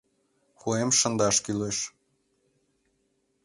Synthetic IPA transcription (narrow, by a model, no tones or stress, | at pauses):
xuemʃə̆nd̪ɑʃkyleʃ